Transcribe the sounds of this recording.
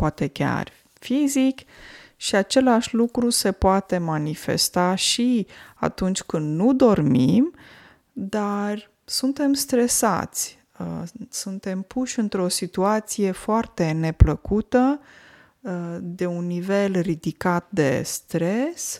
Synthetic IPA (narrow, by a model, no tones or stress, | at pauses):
poat̪e̞kʲa̰r | fizikʃiat͡ʃe̞laʃʲlukɾuse̞poat̪e̞manife̞̰st̪aʃia̰t̪unt͡ʃʲkɨnd̪nud̪o̞rmim | d̪ar | sunt̪e̞mst̪ɾe̞sa̰t̪sʲ | əsunt̪e̞mpʰuʃʲɨnt̪ɾo̞sit̪uat̪sije̞foart̪e̞ne̞pləkut̪ə | d̪e̞unːive̞lrid̪ikat̪̚d̪e̞̰st̪ɾe̞s